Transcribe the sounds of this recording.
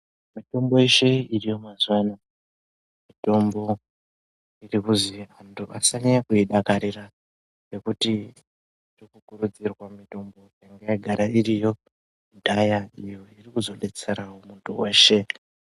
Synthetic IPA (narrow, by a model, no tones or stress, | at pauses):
mito̞mbo̞eʃeirijo̞mazwana | mito̞mbo̞ | irikuziantʰuʔasaɲakuiɗakaɾira | rekuti | rikukuɾud͡zirwamito̞mbo̞jaŋɡeiɡʱaɾairijo̞ | dʱajaijo̞irikuzo̞ɗe̞t͡seɾawomuntʰuwe̞ːʃe̞